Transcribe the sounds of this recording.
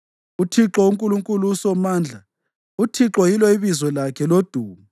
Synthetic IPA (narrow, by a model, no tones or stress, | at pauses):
utʰiǁɔuŋkʼuluŋkʼulusɔmaːnd͡ɮʱa | utʰiǁɔjilwɔiβizwɔlakʰɛlod̥ʱuːmu